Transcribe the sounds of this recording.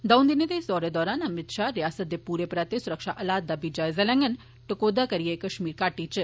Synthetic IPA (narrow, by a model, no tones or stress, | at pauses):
d̪ɐwnd̪ined̪esɔːɾed̪ɔːɾaːnɐmit̪ʃaɾjaːsət̪jepuːɾepɾaːt̪esuɾəkʂaʔɐlaːd̪ːabid͡ʒajzɐlɛ̃ŋɡən | ʈəkod̪akɐɾijekəʃmiːɾkaːʈiːt͡ʃɨ